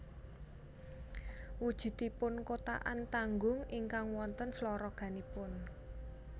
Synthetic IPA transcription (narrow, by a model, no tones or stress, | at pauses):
wud̥ʒ̥ṳt̪ipʊnkot̪a̰ʔa̰nt̪aŋɡʊŋiŋkaŋwɔnt̪ənslɔɾɔɡ̥a̤nipʊn